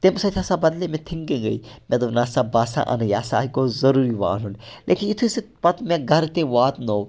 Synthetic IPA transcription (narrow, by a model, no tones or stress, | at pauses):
t̪emsɐt̪ʰaːsaːbɐd̪lemẽt̪ʰiŋɡeɡɐ̰imẽd̪oʋnaːsaːbaːsã̰ʔɐ̰njaːsaːkoːzɐɾuːɾiʋa̰ːlunlʔḛːkʰinɪt̪ʰusepɐt̪mẽɡʱɐɾt̪eʋaːt̪no